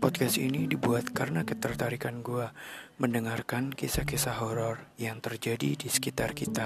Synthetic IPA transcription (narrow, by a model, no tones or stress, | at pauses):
pɔt̪̚kast̪inidibuat̪̚kaɾənakət̪ərt̪aɾikanɡuaməndəŋarkankisakesaɦɔɾɔrjaŋt̪ərd͡ʒadidisə̥kit̪arkit̪a